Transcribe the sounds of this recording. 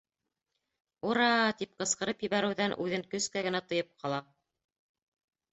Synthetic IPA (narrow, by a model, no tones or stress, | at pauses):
uɾɑt̪ip̚qɤ̆sqɤ̆ɾɤpjɘ̆βæɾɘ̆wðænʔʉðɘŋkɵ̆skæɡɘ̆næt̪ɤ̆jɤp̚qʰɑlˠɑ